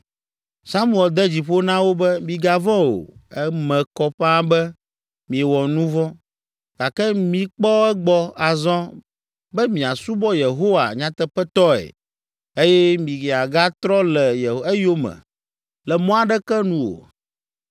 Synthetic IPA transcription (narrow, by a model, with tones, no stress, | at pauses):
sa˦mu˦ɛ˨ld̪ɛ˦d͡ʑi˨ɸo˦nã˦wo˦bɛ˦mĩ˨ɡa˨vɔ̃˦o̰˨ɛ˦mɛ̃˨kɔ˦ɸɛ˦a˦bɛ˦ | mĩ˨ɛ˨wɔ˨nũ˦vɔ̃˦ | ɡ̥a˨kɛ˦mĩ˨k͡pɔ˦ɛ˦ɡ͡bɔ˦a˨zɔ̃˦ | bɛ˦mĩ˨a˨su˦bɔ˦je˨ɦo˦wa̰˨ɲã˦t̪ɛ˦ɸɛ˦t̪ɔ˦ɛ̰˨ | e˦jɛ˦mĩ˨ɡe˨a˨ɡa˦t̪ɾɔ˦lɛ˨je˨ɛ˦jo˦mɛ̰̃˨ | lɛ˨mɔ̃˦a˨ɖɛ˦kɛ˦nũ˦wo̰˨